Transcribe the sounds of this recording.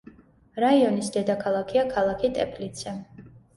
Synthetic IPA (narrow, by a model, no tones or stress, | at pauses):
ɾaiɔnisd̪ɛd̪akʰalˠakʰiakʰalˠakʰit̪ʼɛpʰlit̪sɛ